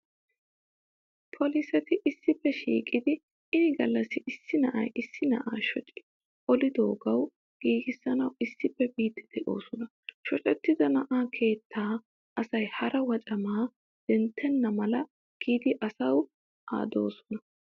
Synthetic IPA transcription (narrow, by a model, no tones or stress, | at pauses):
pʰɔlisɛt̪ɪʔɪsːɪpːɛʃḭːkʼɪd̪ɪ | ɪnɪɡɐlːɐsɪʔɪsːɪnɐʔɐ̰jɪsːɪnɐ̰ʔaːʃɔt͡ʃʼɪ̥ | ʔɔlɪd̪o̞ːɡɐw | ɡ̥iːɡɪsːɐnɐwɪsːɪpːɛbiːt̪ːɪd̪̥ɛʔo̞̰ːsɔnɐ | ʃɔt͡ʃʼɛt̪ːɪd̪ɐnɐʔaːkʰe̞ːt̪ːaː | ɐsɐjhɐɾɐwɐt͡ʃʼɐmaː | d̪̥ɛnt̪ʰːɛnːɐmɐlɐ | ɡ̥iːd̪ɪʔɐsɐw | a̰ːd̪o̞̰ːsɔ̥nɐ